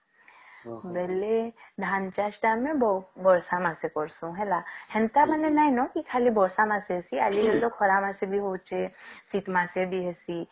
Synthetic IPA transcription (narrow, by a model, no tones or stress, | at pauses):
bɛːled̪ʱaːnt͡ʃaʃʈamẽbbɔɾsamasekɔɾsũɦɛlahɛ̃nt̪amanenaːinɔkikʰaːlibɔɾsamaseɦesialiɦelokʰɔɾamasebʱiɦot͡ʃesiːt̪maːsebʱiɦɛsi